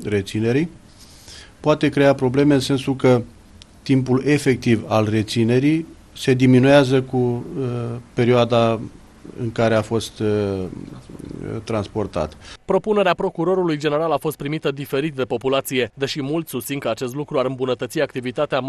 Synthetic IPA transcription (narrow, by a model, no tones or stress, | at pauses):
re̞t̪sine̞ɾi | poat̪e̞kɾe̞apɾo̞ble̞me̞ɨnse̞nsulkə | t̪impule̞fe̞k̚t̪ivalre̞t̪sine̞ɾij | se̞d̪iminuazəku | pe̞ɾioad̪a | ɨ̰ŋkaɾe̞afo̞st̪ | t̪ːɾanspo̞rt̪a̰t̪pɾo̞pune̞ɾeapɾo̞kuɾo̞ɾulujd͡ʒe̞ne̞ɾalafo̞st̪̚pɾimit̪əd̪ife̞ɾit̪̚d̪e̞po̞pulat̪sije̞d̪eʃimult̪sʲsust̪siŋkəat͡ʃe̞st̪lukɾuaɾɨmbunət̪ət̪siak̚t̪ivit̪at̪ea